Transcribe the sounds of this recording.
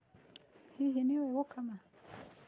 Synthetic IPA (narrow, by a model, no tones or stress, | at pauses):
hiɦiniwɛɣɔkama